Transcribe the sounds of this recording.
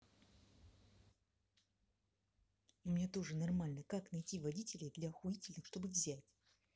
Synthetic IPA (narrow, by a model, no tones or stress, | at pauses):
umʲnʲat̪o̞ʐɨnɐrmalʲnəkaknɐjtʲivɐdʲitʲɪlʲɪjd̪lʲɐxʊitʲɪlʲnɨxʂt̪o̞bɨvzʲætʲ